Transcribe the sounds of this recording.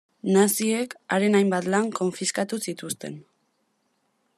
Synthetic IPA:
nasie̞ka̰ɾe̞najmbat̪laŋko̞ɱfiskat̪usit̪ust̪e̞̰n

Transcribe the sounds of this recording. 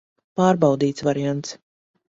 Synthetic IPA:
paːɾbaɑwd̪iːt̪svaɾiant̪s

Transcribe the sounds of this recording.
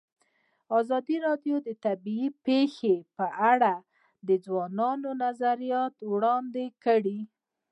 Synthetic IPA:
ɑzɑd̪iɾɑdjod̪ət̪abiipexepəʔaɽa | d̪əd͡zwɑnɑnonazaɾijɑt̪wɽɑnd̪ekəɽi

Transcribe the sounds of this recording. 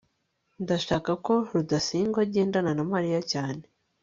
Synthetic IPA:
ndaʃaːkako̞ɾudasiːŋɡwaɟe̞ːndananamaɾijacaːne̞

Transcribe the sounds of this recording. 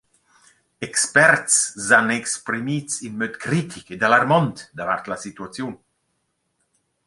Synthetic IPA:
ɛkspɛɾt̪szanɛkspɾimit͡sinmøt̪kɾit̪ʰiked̪alarmɔnt̪d̪ava̰rt̪lasit̪uat͡sjun

